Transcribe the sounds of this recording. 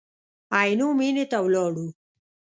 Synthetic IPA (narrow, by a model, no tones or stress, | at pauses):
ajnumiːnet̪ɐwlɔːɽu